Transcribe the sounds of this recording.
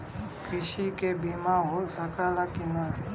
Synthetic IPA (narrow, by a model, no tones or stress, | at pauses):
kʰɾɪʃikebimaɦosəkalakina